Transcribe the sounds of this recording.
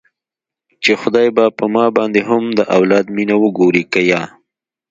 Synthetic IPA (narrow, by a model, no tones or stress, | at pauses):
t͡ʃexʊd̪ɑjbapəmɑbɑnd̪eɦʊmd̪əʔawlɑd̪minawəɡoɾikajɑ